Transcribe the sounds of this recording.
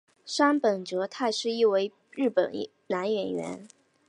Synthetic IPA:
ʂa˥npə˨˩nʈ͡ʂɤ˧˥t̪ʰa˥˧ɪʂɻ̩˥˧i˥˩we˧˥ɪ | ɻɻ̩˥˩pə̰˨˩n | na˧˥nɥɛ˧˥nɥɛ̰˧˥n

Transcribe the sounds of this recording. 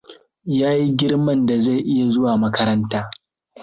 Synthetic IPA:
jaː˦ji˦ɡʲɪ˦ɽmɐ˦nda˨za˦˨jʔɪ˦ja˨zʊ˦waː˨mɐ˦kɐ˦ɾɐ˦ntaː˦

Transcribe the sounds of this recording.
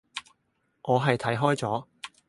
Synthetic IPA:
ŋʔɔː˨˧ɦɐ˨jt̪ʰɐ˨˥jɦɔː˥jt͡sɔː˨˥

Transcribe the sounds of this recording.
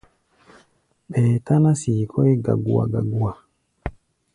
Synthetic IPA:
ɓɛ˨ta˦na˦si˨kʰɔ˦e˦ɡa̰˨ɡu˦a̰˨ɡa˨ɡu˦a˨

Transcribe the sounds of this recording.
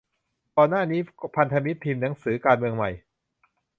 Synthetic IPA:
kɔː˧nːaː˥˩niː˦˥pʰa˧nt̪ʰa˧mi˦˥t̪ʰːiː˧mna˩˦ŋsɯː˩˦kaː˧nmɯ˧əŋma˨˩j

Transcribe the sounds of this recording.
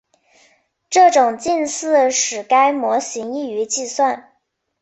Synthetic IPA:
ʈ͡ʂɤ˥˩ʈ͡ʂʊ˨˩ŋt͡ɕi˥˧nsɹ̩˥˩ʂɻ̩˨˩ka˥ɪmwɔ˧˥ɕi˧˥ŋi˥˩y˧˥t͡ɕi˥˧swa˥˩n

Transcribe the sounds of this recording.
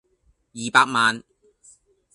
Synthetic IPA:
jiː˨paː˧k̚maː˨n

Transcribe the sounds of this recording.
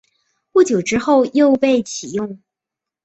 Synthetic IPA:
pu˥˩t͡ɕjo˨˩ʊʈ͡ʂɻ̩˥xo˥˧ʊjo˥˧ʊpe˥˩ɪt͡ɕʰi˨˩jʊ˥˩ŋ

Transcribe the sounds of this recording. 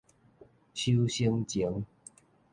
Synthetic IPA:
t͡ɕʰu˦ɕi˦ŋt͡ɕi˨˦ŋ

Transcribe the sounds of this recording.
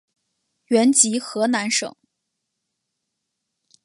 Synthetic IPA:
ɥɛ˧˥nt͡ɕi˧˥xɤ˧˥na˧˥nʂɤ̰˨˩˦ŋ

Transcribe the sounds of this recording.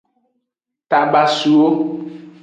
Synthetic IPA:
t̪a˨ba˨su˨wo˦

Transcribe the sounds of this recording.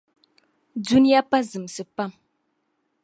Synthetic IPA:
du˦ni˦ja˦pa˦zɨ˨m˨sɨ˨pa˦˨m

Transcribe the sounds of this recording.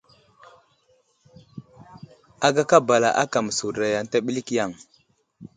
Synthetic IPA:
a˦ɡa˦ka˦ba˨la̰˨ʔa̰˦ka˨m˨su˨ɾa˨ja˨ŋ˨ta˦ɓi˦li˦kja˨ŋ

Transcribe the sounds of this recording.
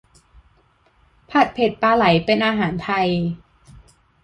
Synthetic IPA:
pʰa˨˩t̪̚pʰe˨˩t̪̚paː˧la˩˦jpe˧nʔaː˧ɦaː˩˦nt̪ʰa˧j

